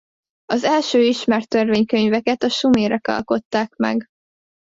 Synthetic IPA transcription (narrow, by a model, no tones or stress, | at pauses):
ɒzɛlʃøːiʃmɛrt̪ːørveːɲkøɲvɛkɛt̪ɒʃumeːɾɛkɒ̰lko̞t̪ːaːkmɛ̰ɡ